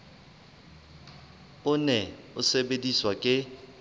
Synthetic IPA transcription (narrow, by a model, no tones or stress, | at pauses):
ʊnɛʊsebediswakʼɪ